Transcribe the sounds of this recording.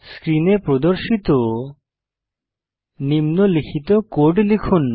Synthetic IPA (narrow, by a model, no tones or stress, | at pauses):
skɾinepɾod̪oɾʃit̪o | nimnolikʰit̪okoʈlikʰun